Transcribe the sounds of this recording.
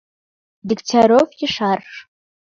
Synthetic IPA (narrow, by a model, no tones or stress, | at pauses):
dɪktʰaɾovjɪʂarʂ